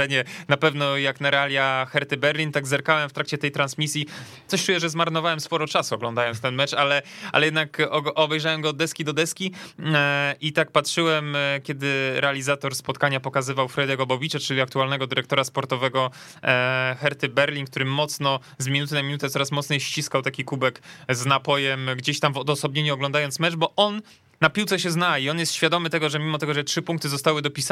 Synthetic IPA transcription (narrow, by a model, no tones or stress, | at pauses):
ɛɲɛnapɛvnɔjaknaɾɛalʲjaxɛɾt̪ɘbɛɾlʲint̪aɡzɛɾkawɛmft̪ɾak̚t͡ɕɛt̪ɛjt̪ɾansmʲisʲji | t̪sɔɕt͡ʂujɛʐɛzmaɾnɔvawɛmspɔɾɔt͡ʂasuɔɡlɔnd̪ajɔ̃nst̪ɛnmɛt͡ʂalɛa̰lɛjɛd̪nakɔʔɔbɛjʐawɛmɡɔːd̪̚ːɛskʲid̪ɔd̪ɛskʲi | ʔit̪ak̚patʂɘwɛmkʲɛd̪ɘɾʔɛalʲizat̪ɔɾspɔt̪kaɲapɔkazɘvawfɾɛd̪jɛɡɔbɔvʲit͡ʂat͡ʂɘlʲiak̚t̪ualnɛɡɔd̪ɘɾɛkt̪ɔɾaspɔɾt̪ɔvɛɡɔ | xɛɾt̪ɘbɛɾlʲink̚t̪uɾɘmːɔt̪snɔ | zmʲinut̪̬ɘnamʲinut̪ɛt̪sɔɾasmɔt̪sɲɛjɕt͡ɕiskawt̪akʲikubɛkznapɔjɛmɡd͡ʑeɕt̪amvɔd̪ɔsɔbɲeɲuɔɡlɔ̃nd̪ajɔnt̪smɛt͡ʂbɔʔɔnː | apʲiwtsɛɕɛznaiɔnjɛst̪ɕfʲjad̪ɔmɘt̪ɛɡɔʐɛmʲimɔt̪ɛɡɔʐɛtʂɘpũŋk̚t̪ɘzɔst̪awɘd̪ɔpʲis